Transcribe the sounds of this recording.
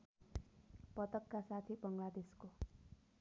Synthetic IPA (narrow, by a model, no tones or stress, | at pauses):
pʌt̪ʌkːasat̪ʰibʌŋlad̪esko